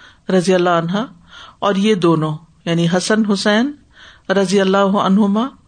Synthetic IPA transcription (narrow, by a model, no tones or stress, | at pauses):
ɾɐzijəlːaːɐnɦaː | ɔːɾjed̪oːnõː | jaːniɦɐsənɦʊsɛːn | ɾɐzijəlːaːɦʊɐ̰nɦʊmaː